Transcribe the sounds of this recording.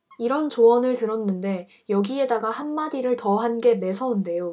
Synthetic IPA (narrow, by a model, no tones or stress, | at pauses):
iɾʌnt͡ɕoʌnɯɭtɯɾʌnːɯnde̞ | jʌɡie̞daɡahanmadiɾɯɭtʌɦanɡe̞ne̞sʰʌunde̞jo